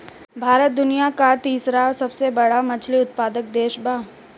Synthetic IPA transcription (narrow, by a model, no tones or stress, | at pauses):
bʱaːɾət̪̚d̪ʊnijakat̪iːsɾasɐbsebɐɽamɐt͡ʃʰliʊt̪̚paːd̪ək̚d̪eːʃbaː